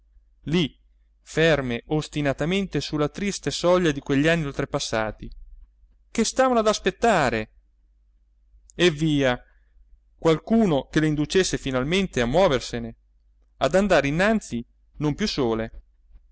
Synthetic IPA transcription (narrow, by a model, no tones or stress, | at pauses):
li | fɛrmeʔost̪inat̪ament̪esulːat̪ɾist̪esɔʎːad̪ikweʎːianːiolt̪ɾepasːaːt̪i | kest̪aːvanoad̪aspet̪ːaːɾe | evːiːa | kwalkuːnokeleind̪ut͡ʃesːefinalment̪eamːwɔːversene | ad̪and̪aːɾeinːant̪si | nompjusːoːle